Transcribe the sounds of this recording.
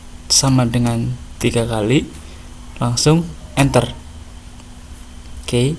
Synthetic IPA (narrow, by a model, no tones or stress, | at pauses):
samadəŋant̪iɡ̥akali | laŋsʊŋɛnt̪ər | ke